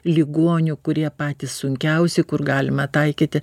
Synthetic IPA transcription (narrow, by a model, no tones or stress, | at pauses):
lʲiɡoɔnʲʊkʊɾʲiɛpɑːt̪ʲiːssʊŋʲkʲɛʊsʲɛɪkʊrɡɑːlʲɪmɐt̪ɐɪkʲit̪ʲɪ